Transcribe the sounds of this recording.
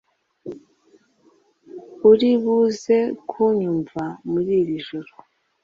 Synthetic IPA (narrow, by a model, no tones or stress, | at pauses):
uɾiβuze̞kʰuɲuɱvamuɾiːɾiʒoɾo